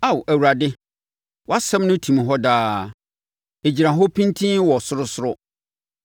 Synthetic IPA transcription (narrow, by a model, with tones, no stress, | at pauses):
a˨wæ˨wu˨ɾa˨dɪ˦ | wɔ˦a˦sɛ̃˦mnʊ̃˦tʰĩ˨m˨ɦɔ˦daː˦ | e˨d͡ʑi˨ɾã˨ɦɔ˦pʰĩ˦ntʰĩ˦wɔ˨sʊ˦ɾʊ˦sʊ˦ɾʊ˦